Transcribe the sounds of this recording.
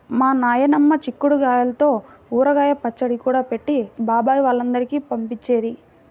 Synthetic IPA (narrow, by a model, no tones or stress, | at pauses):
maːnaːjɐnɐmːɐt͡ʃikːuɽuɡaːjɐlɐt̪o̞ː | uːɾɐɡaːjɐpɐt͡ʃːɐɽikuːɽaːpeʈːibaːbaːjiʋaːɭːɐnd̪ɐɾikiːpɐmpit͡ʃːeːɾi